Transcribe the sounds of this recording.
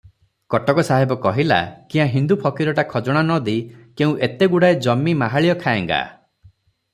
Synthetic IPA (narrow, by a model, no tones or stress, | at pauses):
kɔʈɔkɔsaɦibɔkɔɦila̰kĩɦãɦind̪upʰɔkiɾɔʈakʰɔd͡ʒɔɽ̃anɔd̪ikeũʔet̪eɡuɽaed͡ʒɔmːimaɦaɭijɔkʰajɛŋɡa̰